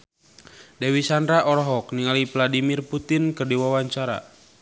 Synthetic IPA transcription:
dɛwisandɾaʔɔɾɔɦɔkniŋalivladimirput̪inkɨrdiwawaɲt͡ʃaɾa̰

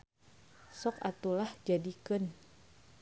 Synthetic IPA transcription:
sɔkat̪ulahd͡ʒadikɨn

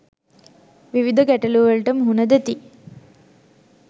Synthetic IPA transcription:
ʋiʋid̪ʱɐɡɛʈɐluʋɐɭʈɐmɦunɐd̪et̪i

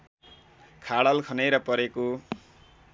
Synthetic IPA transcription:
kʰaɽʌlkʰʌnejɾʌpʌɾeko

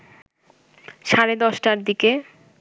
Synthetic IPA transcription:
ʃaɾed̪ɔʃʈaɾd̪ike

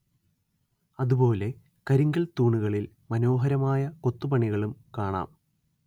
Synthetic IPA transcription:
ɐðupo̞ːle̞ | kɐɾiŋɡɐlt̪uːɳuɣɐɭil | mɐno̞ːɦɐɾɐmaːjɐkot̪ːupɐɳiɣɐɭumkaːɳa̰ːm

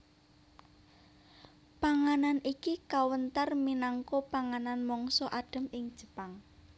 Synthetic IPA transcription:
paŋananikikawənt̪ərminaŋkopaŋananmɔŋsɔʔaɖ̥ə̤mɪŋd̥ʒ̥ə̤paŋ

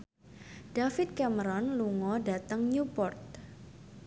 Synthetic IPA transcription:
d̥afɪt̪̚kɛməɾɔnluŋɔdat̪əŋɲupɔrt̪̚

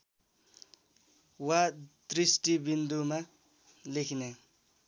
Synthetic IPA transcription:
wad̪risʈibind̪uma | lekʰne

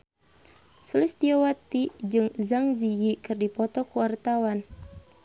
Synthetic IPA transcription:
sulɪst̪iawat̪id͡ʒɨŋzaŋzijikɨrdipɔt̪ɔkuwart̪awan

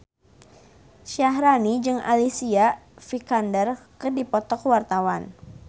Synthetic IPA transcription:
ʃaɦɾanid͡ʒɨŋa̰lisiafikandərkədipɔt̪ɔkwart̪awan

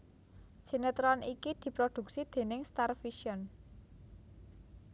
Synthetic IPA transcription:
ʒ̥i̤nət̪ɾɔnikid̪̥i̤pɾod̪̥ṳk̚sid̪̥e̤nɪŋst̪arfiʃiɔn

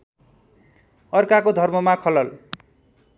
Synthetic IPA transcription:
ʌrkakod̪ʱʌrmʌmakʰʌlʌl

